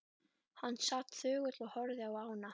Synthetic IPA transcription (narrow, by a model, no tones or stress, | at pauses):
hanːsat̪θʏːɣʏt̪lɔɣhœɾðɪawaːwna